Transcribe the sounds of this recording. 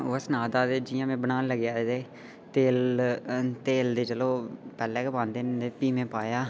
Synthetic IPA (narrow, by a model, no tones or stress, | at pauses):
ʋəsnaːd̪aːd̪eːd͡ʒɪjãːmẽːbənaːnləɡjaːed̪eː | t̪eːl | t̪eːld̪eːt͡ʃəloːpɛːlɛːkːbãːnd̪eːnd̪eːpiːmẽːpaːjaː